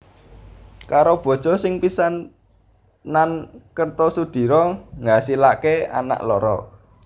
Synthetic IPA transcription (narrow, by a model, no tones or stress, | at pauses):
kaɾob̥ɔ̤̥ʒ̥ɔ̤sɪŋpisanː | ankərt̪ɔsud̪̥i̤ɾɔŋɡasilakea̰na̰ʔlɔɾɔ̰